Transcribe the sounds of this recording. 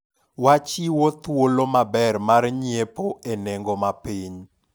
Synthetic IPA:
wat͡ʃiwot̪wolomabɛrmarɲiepoenɛŋɡɔmapiɲ

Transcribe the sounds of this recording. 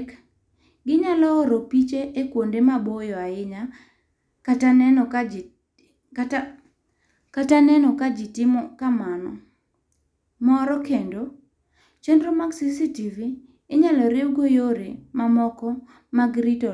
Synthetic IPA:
k | ɡɪɲalɔːɾopit͡ʃeʔekwondemabojɔaɪɲa | katanɛnɔ | katanɛnɔkad͡ʒɪtɪmɔkamanɔ | mɔɾɔkendo | t͡ʃendɾomaɡsisitiviː | ɲalɔɾewɡojoɾemamɔkɔ | maɡɾito

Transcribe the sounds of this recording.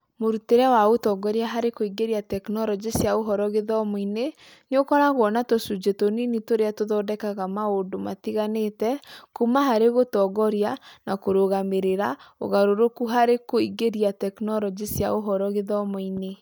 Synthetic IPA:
moɾuteɾɛwaotɔɡɔɾiaɦaɾekoiɡeɾiatɛknɔɾɔd͡ʒisjaoɦɔɾɔɣeðɔmɔine | neokɔɾaɣwɔnatosud͡ʒetoninitoɾeatoðɔdɛkaɣamaondomatiɣanetɛkumaɦaɾeɣotɔːɡɔɾianakoɾoɣameɾeɾao̰ɣaɾoɾokuɦaɾekoiɡeɾiatɛknɔɾɔd͡ʒisjaoɦɔɾɔɣeðɔmɔine

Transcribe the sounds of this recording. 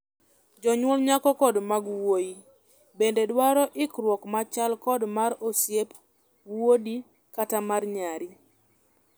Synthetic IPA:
d͡ʒɔɲwɔlɲakɔkɔdmaɡwoji | bendedwaɾɔʔɪkɾwɔkmat͡ʃalkɔdmaɾosjep | wodi | katamarɲaɾi

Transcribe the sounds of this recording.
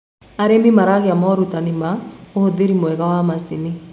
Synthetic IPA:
aɾemimaɾaɣeamɔɾutanimaohoðeɾimoɛɣawamasini

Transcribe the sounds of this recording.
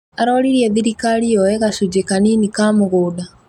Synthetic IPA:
aɾɔliɾiɛðiɾikaɾiɔɛɣasud͡ʒekaninikaːmuɣuːda

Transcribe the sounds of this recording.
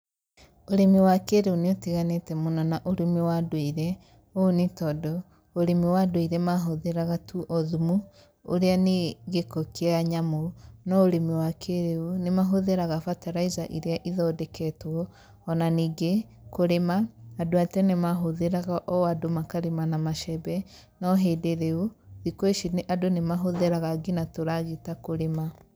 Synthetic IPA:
oɾemiwakeɾeuneotiɣanetɛmonanaʔoɾemewadweiɾɛ | onetɔdɔ | oɾemiwadoiɾɛmaɦoðeɾaɣatuʔɔðumu | o̰ɾeaneɣekokeaɲamonɔoɾemewakʰeɾeunemaɦoðeɾaɣafataɾaizaʔiɾeaʔiðɔdɛkʰɛtwɔ | ɔnaniɡe | koɾemaːdoatɛnemaɦoðeɾaɣaʔɔwadomakaɾemanamaʃɛbɛ | nɔɦedeɾeoðikoeʃineʔadonemaɦoðeɾaɣaɡinatoɾaɣetakoɾema

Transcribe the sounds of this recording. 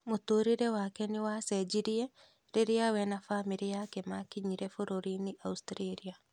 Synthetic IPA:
motoːɾiɾewakɛnɪwasɛd͡ʒiɾie | ɾeɾeawɛnafamiɾiakemakiɲiɾefoɾoɾiniʔaustɾeɾia

